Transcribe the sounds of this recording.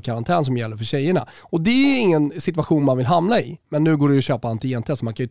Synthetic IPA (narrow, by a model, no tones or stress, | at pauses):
kʰaɾant̪ʰɛːnsɔmjɛlːəɾfœɕɛjːəɳa̰ | ɔd̪ɛæɪŋːənsɪt̪vaɧuːnmanvɪlɦamːlaɪmɛnːʉ̟ːɡoːɖɛjʊɕøːpaant̪ɪɛnt̪ʰɛt̪sɔmankʰajʏ